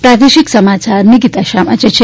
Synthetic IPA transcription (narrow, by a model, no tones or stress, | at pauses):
pɾaːd̪eʃiksɐmaːt͡ʃaːɾniɡit̪aʃaːma̰t͡ʃet͡ʃʰe